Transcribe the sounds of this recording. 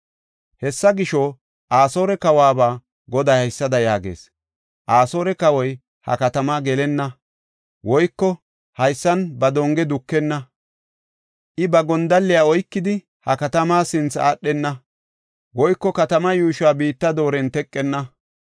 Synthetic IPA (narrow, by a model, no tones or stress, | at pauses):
hɛsːɐɡɪʃɔ | ʔaːso̞ːɾɛkɐwaːbaː | ɡɔd̪ɐjhɐjsːɐd̪ɐjaːɡḛːs | ʔaːso̞ːɾɛkɐwɔj | hɐ̰kɐt̪ɐmaːɡɛlɛnːɐ | wɔjkːɔ | hɐjsːɐnbɐd̪ɔŋɡɛd̪ʊkːɛnːɐ | ʔɪbɐɡɔnd̪ɐlːɪjaːɔjkːɪd̪ɪ | hɐkɐt̪ɐmaːsɪnt͡sa̰ːɗːɛnːɐ | wɔjkːɔkɐt̪ɐmɐjuːʃaːbiːt̪ːɐd̪o̞ːɾɛnt̪ɛkʼːɛnːɐ